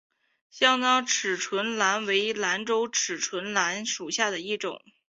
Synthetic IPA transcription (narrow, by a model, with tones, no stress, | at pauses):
ɕjɑ˥ŋt̪ɑ˥ŋʈ͡ʂʰɻ̩˨˩ʈ͡ʂʰwə˧˥nla˧˥nwe˧˥ɪla˧˥nʈ͡ʂo˥ʊʈ͡ʂʰɻ̩˨˩ʈ͡ʂʰwə˧˥nla˧˥nʂu˨˩ɕja˥˩d̪ə˩i˥˩ʈ͡ʂʊ̰˨˩˦ŋ